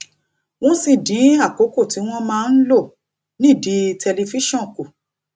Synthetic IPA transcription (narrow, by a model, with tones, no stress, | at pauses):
w̃ɔ̃˦sĩ˧˨dĩ˨˦a˦˨ko˨˦ko˦˨ti˨˦w̃ɔ̃˦mãː˦˧n̩˦lo˦˨ | nĩ˦˨di˨˦tʰɛ˧le˧fi˦ʃɔ̃˦˨ku˨